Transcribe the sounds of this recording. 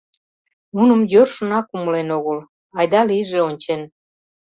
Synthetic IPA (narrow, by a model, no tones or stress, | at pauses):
munə̆mjørʃə̆nɑkuməlenoɣəl | ɑjd̪ɑliʒeonʲt͡ɕen